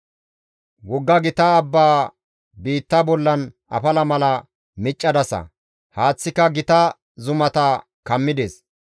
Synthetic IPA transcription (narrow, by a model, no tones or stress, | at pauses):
wɔɡːɐɡɪt̪ɐːbːaː | biːt̪ːɐbɔlːɐn | ɐ̰pɐlɐmɐlɐ | mɪt͡ʃʼːɐd̪ɐsɐ̰ | haːt͡sːɪkːɐɡɪt̪ɐ | zʊmɐt̪ɐ | kɐmːɪd̪es